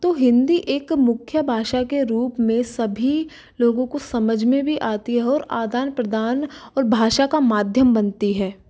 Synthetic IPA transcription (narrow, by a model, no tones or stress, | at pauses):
t̪oːɦɪ̃nd̪iʔeːkmʊkʰjəbʱaːʃakeɾuːpmẽsɐbʱi | loːɡõkosɐməd͡ʒʱmẽbʱiʔaːt̪iɦɛɔːɾa̰ːd̪aːnpɾəd̪aːnɔːɾbʱaːʃakamaːd̪ʱjəmbɐnt̪iɦɛː